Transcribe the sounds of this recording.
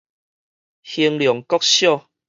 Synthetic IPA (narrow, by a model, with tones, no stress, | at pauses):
hi˧ŋljɔ˨˩ŋkɔ˦˥k̚ɕjɔ˥˨